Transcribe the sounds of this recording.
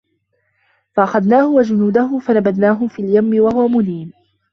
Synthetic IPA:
faʔaxaðnaːhʊwad͡ʒʊnuːd̪ahʊfanabad̪naːɦʊfiːljamːɪwaɦʊwamʊniːn

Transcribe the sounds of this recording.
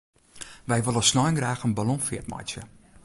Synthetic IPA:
ʋɛjvəlˠəsnɔjəŋræːχənbalɔnfiətmɑ̰jt͡ʃə̰

